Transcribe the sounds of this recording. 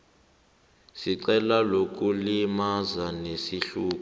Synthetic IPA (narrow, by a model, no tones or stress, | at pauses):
siǀɛlalok̬ʼulimazanesiɬuːk̬ʼu